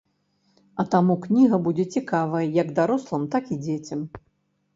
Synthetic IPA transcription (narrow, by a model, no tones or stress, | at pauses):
ɐt̪amuknʲiɣɐbud͡zʲɛt͡sʲikavɐjɐjɐɡd̪aɾɔslˠɐmt̪akid͡zʲet͡sʲɐm